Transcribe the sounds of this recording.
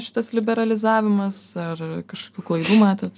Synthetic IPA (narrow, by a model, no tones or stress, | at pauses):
ʃʲɪ̥t̪ɐslʲɪbʲɛɾɐlʲɪzɑːʋʲɪmɐsɐrkɐʃko̥ːkʲuːklˠɐɪd̪uːmɑːt̪ʲɛt̪